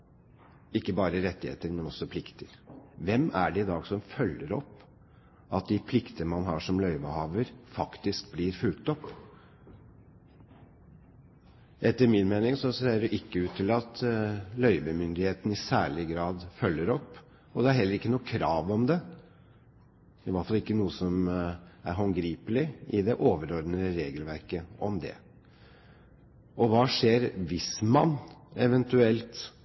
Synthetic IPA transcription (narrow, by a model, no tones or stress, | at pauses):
ɪkːəbɑːɾəɾɛt̪ːɪhḛːt̪əɾmɛnɔsːɔpʰlɪkt̪ʰəɾʋɛmæ̰ɖɛɪd̪ɑːɡsɔmfœlːəɾɔpː | ʔɑt̪̚d̪ɪpʰlɪkt̪əmɑnɦɑːʂɔmlœʏʋəhɑːʋəɾfɑkt̪ɪskblɪɾfʉlt̪ɔpː | ʔɛt̪ːəɾmɪnmeːnɪŋsɔseːəɖɛʔɪkːəʉːt̪ʰːɪlɑt̪lœʏʋəmʏnd̪ɪheːt̪n̩ɪsæ̰ːɭɪɡɾɑːd̪fœlːəɾɔpː | ɔd̪ɛæɾɦɛlːəɾɪkːənuːəkʰɾɑːʋɔmd̪ɛ | ɪʋɑʈ̪fɑlɪkːənuːəsɔmæɾɦɔŋɡɾiːpəlɪɪd̪ɛʔoːʋəɾɔɾd̪nəɾeːɡəlʋæɾkəʔɔmd̪ɛ̰ | ʔɔʋɑːʂeːɾʋɪsmɑnɛʋɛnt̪ʉɛlt̪